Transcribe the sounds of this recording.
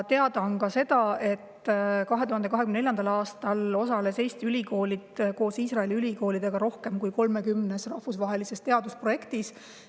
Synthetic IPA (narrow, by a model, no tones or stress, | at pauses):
t̪e̞ɑd̪ɑonkɑse̞d̪ɑe̞t̪ːkɑɦe̞t̪uhɑnd̪ekɑɦekymnneljɑnd̪ɑlɑːst̪ɑlo̞sɑle̞se̞jst̪ylʲiko̞ːlid̪ko̞ːsiːsrɑeliylʲiko̞ːlid̪̥e̞ɡ̥ɑɾo̞hke̞mkujko̞lme̞kymne̞srɑhfusvɑɦe̞lise̞st̪e̞ɑd̪uspro̞je̞kt̪is